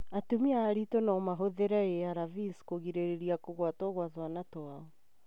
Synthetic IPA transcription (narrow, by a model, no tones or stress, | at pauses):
atumiaːɾitɔnaːmaɦoðeɾaeaɾaviskoɣiɾeɾeɾiakoɣwatɔːɣwaðwanatoaɔ